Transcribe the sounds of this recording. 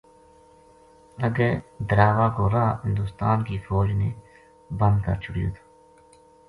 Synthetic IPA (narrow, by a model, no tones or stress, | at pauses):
əɡɛːd̪əɾaːʋaːkoːɾaːɦɪ̃nd̪uːst̪aːnkiːfoːd͡ʒneː | bə̃nd̪kə̰ɾt͡ʃʰʊɽijṵːt̪ʰː